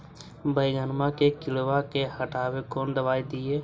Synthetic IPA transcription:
bəjɡənmakekɪlʋakehəʈaːwekɔːnd̪əbaːid̪ɪeː

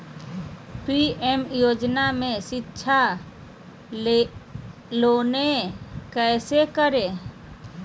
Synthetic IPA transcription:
piemjoːd͡ʒnamẽʃɪtːʃʰa | loːnekɛːsekəɾe

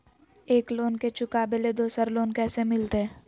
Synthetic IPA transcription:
eːkloːnket͡ʃʊkabeled̪oːsəɾloːnkɛːsemɪlt̪eɦɛː

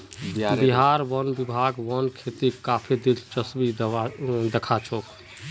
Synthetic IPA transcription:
b̪iɦaɾʋɔnbibʱaɡʋɔnkʰet̪ikapʰid̪ilt͡ʃəsbid̪d̪ekʰat͡ʃʰok

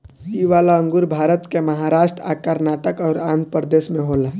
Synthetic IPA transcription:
siʋaːlaə̃ŋɡʊɾbʱaːɾət̪kemɐɦaɾaːʃʈɾa̰ːkəɾnaːʈəkɔːɾaːnpəɾd̪eːsmẽɦoːla

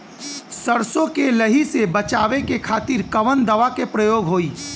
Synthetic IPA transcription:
sɐɾsõkeləɦisebɐt͡ʃaːʋekekʰaːt̪iɾkɐʋənd̪ɐʋakepɾɐjoːɡɦoːiː

